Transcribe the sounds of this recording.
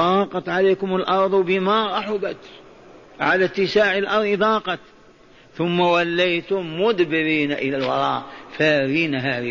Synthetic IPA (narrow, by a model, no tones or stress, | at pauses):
ɑːqɑt̪ˤʕaleːkʊmalʔɑɾˤðˤwbɪmaɾˤɑħʊbat̪ | ʕalat̪ːɪsaːʕəlʔɑɾˤðˤd̪ˤɑːqɑt̪ | θʊmːawalːajt̪ʊmːʊd̪bɪɾiːnaʔɪlalwɑɾˤɑːʔfaɾiːnaɦaːɾi